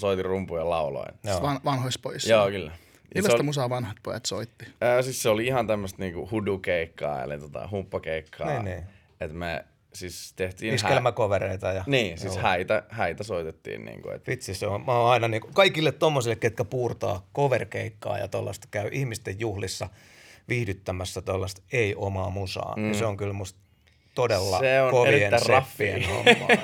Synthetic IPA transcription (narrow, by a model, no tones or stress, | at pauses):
soit̪irumpujɑlɑulo̰injoːɑnʋɑnhoispoisjoːkylːæ | jɑilːosot̪musɑʋɑnhɑt̪̚pojɑ̰t̪so̰it̪ːi̥əːsisseoliihɑnt̪æmːøst̪niːŋkuhudukeikːɑ̰ːḛlḭt̪ot̪ɑ̰hupːɑkeikʰːɑ̰ninniː | et̪me | sist̪eht̪iːniskelmækoʋereit̪ɑjɑniːsishæit̪æhæit̪æsoit̪et̪ːḭːnnḭːŋkṵḛt̪ʋit̪siseommæoɑinɑniːŋkukɑikilːet̪t̪omːosilːekket̪kæpuːrt̪ɑ̰ːkoʋerkeikːɑ̰ːjɑ̰t̪olːɑ̰st̪ɑkæyʔihmist̪ejjuhlisːɑ | ʋihdyt̪ːæmæsːæt̪olːɑst̪eiʔomɑːmusɑ̰ːniseoŋkylmust̪ | t̪odelːɑ̰seonkoeʋenːærrɑfːieo̰mɑ̰